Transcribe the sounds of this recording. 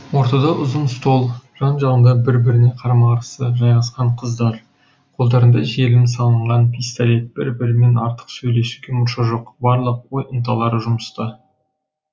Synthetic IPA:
wo̞ɾt̪ɑd̪ɑʔʊzənst̪o̞lˠʒ̥ɑnʒɑʁənd̪ɑbɪɾbɪɾɪne̞qʰɑɾɑmɑʁɾsəʒɑjʁɑsqɑɴqʰəzd̪ɑɾ | qʰo̞lˠd̪ɑɾənd̪ɑʒe̞lɪmsɑlˠəɴʁɑnpʰijst̪alʲe̞t̪̚b̥ɪɾbɪɾɪme̞nɑɾt̪ə̥qsɵjle̞ʃuɡʲe̞mʊɾʃɑʒo̞qbɑɾlˠəqwo̞jʔənt̪ʰɑlˠɑɾəʒʊməst̪ɑ

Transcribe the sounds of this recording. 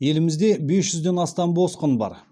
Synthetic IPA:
je̞lɪmɪzd̪e̞be̞sʒʏzd̪e̞nɑst̪ɑmbo̞sqənbɑ̰ɾ

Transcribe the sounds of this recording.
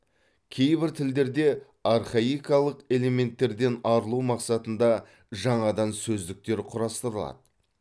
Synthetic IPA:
kʲʰe̞jbɪɾt̪ʰɪld̪e̞ɾd̪e̞ | arχaijkɑlˠəqe̞le̞me̞nt̪ːe̞ɾd̪e̞nɑɾəlˠuwmɑqsɑt̪ənd̪ɑ | ʒɑɴɑd̪ɑnsɵzd̪ɪk̚t̪e̞ɾqʰʊɾɑst̪əɾəlˠɑ̰d̪̥ə

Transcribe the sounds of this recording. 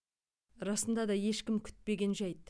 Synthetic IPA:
ɾɑsənd̪ɑd̪ɑje̞ʃkʲɪmkʲʰʏ̥t̪̚pe̞ɡʲe̞nʒɑjt̪

